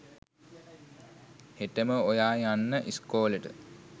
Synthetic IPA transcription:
heʈəməojaːjanːəʔiskoːləʈə̰

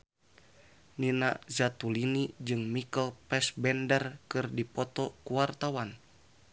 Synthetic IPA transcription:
ninazat̪ulinid͡ʒɨŋmikəlpɛsbɛndərkɨrdipɔt̪ɔkuwart̪awan

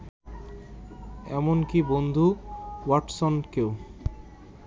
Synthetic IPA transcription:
ɛ̰monkibond̪ʱuwaʈsonkew

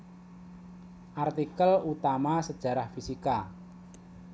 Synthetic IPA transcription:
ʔart̪ikəlut̪amasəd̥ʒ̥a̤ɾahfisika

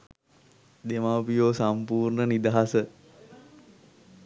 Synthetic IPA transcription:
d̪emaːpijoːsampuːrnənid̪aɦasə

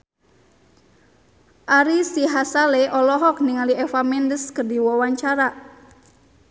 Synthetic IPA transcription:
ʔaɾisiɦasaleʔɔlɔɦɔk̚niŋaliɛfamɛndəskərdiwɔwaɲt͡ʃaɾa

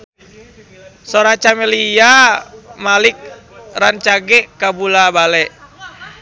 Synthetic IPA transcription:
soɾat͡ʃamɛlija | malik̚ | rant͡ʃaɡɛkabulabalɛ

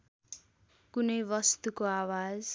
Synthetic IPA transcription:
kunʌjbʌst̪ukoawad͡z

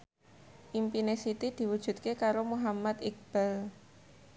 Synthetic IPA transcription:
ʔimpinesit̪id̪̥i̤wud̥ʒ̥ṳt̪̚kekaɾomuɦamat̪ɪk̚b̥ɛl

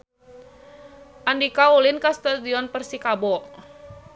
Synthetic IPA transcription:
ʔandikaulinkast̪adiɔnpərsikabɔ

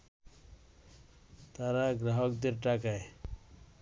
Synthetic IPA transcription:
t̪aɾaɡɾaɦɔkd̪eɾʈakaj

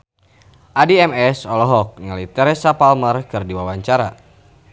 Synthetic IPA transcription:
ʔadiɛmɛsɔlɔɦɔk̚ŋəlit̪ɛɾɛsapalmərkɨrdiwawaɲt͡ʃaɾa

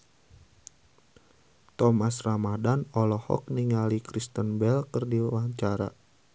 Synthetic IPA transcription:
t̪ɔmasramadanɔlɔhɔ̰k̚niŋalikɾist̪ənbɛlkərdiwaɲt͡ʃaɾa̰

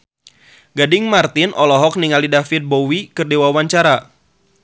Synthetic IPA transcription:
ɡadɪŋmart̪ɪnʔɔlɔɦɔk̚niŋalidafɪt̪̚bowikɨrdewawaɲt͡ʃaɾa

